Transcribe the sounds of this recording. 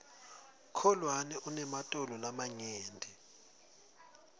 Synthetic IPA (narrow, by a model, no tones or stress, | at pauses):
kʰɔlwanɛʔunɛmatʼɔlɔlamaɲeːndʱɛ